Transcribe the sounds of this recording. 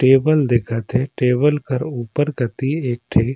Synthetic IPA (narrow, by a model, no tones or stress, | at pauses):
ʈeːbəld̪ɪkʰət̪ɦeʈeːbəlkəɾuːpəɾɡɐt̪ieːk̚ʈʰeː